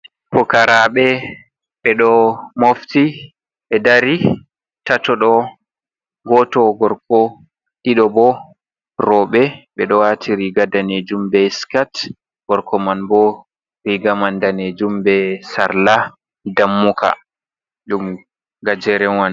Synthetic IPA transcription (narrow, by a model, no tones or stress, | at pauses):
pɔkaɾaɓɛ | ɓɛɗɔmofti | ɓɛdaɾi | tatɔɗɔ | ɡɔtɔɡɔɾkɔ | ɗiɗɔbɔ | rɔɓɛɓɛɗɔwatʰiɾiɡadaned͡ʒumbɛskat | ɡ̥ɔɾkʰɔmanbɔ | ɾiɡamandaned͡ʒumbɛsaɾla | damːukʰa̰ | ɗum | ɡad͡ʒɛɾɛwan